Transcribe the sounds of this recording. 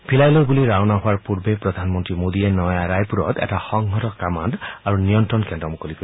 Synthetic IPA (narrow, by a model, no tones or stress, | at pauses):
bʰʱilajlɔbuliɹawnaɦʊaɹpuɹbepɹɔd̪ʱanmɔnt̪ɹimod̪ienɔjaɾajpuɹɔ̰t̪ɛ̰taxɔŋɦɔtɔkama̰ndaɹunijɔntɹɔnkɛ̃ndɾɔmukɔlipʰɔ